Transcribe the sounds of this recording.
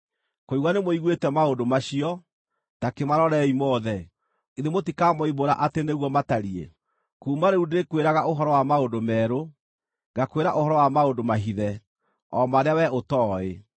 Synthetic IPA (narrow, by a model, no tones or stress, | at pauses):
koiɣwanemoiɣwetɛmaondomaɕiɔ | takemaɾɔɾɛimɔðɛ | iðemotikamɔiβoɾa̰ʔateneɣwɔmataɾiḛ | kuːmaɾeudekweɾaɣaoɦɔɾɔwamaondomɛɾo | ɡakweɾaʔohɔɾɔwamaondomaɦiðɛ | ɔmaɾeawɛotɔːe